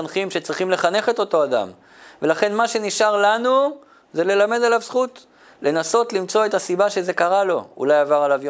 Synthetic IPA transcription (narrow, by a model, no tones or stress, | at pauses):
nχimʃe̞t͡sʁiχimle̞χane̞χe̞t̪o̞to̞ad̪a̰m | ve̞laχe̞nmaʃe̞niʃaʁlanu | ze̞le̞lame̞d̪alavsχut̪ | lʔe̞naso̞tlimt͡so̞et̪asibaʃe̞ze̞kaʁalo̞ṵlajavaʁalavj